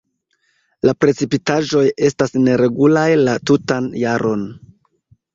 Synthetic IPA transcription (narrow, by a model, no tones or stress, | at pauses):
lapɾe̞t͡sipitaʒo̞je̞stasne̞ɾe̞ɡulajlatutanjaɾʔo̞n